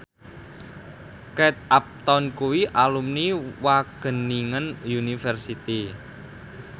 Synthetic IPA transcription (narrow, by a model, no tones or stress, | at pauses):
kɛt̪̚ʔap̚t̪ɔnkuwiʔalumniwaɡ̥ə̤niŋənjunifɛrsit̪i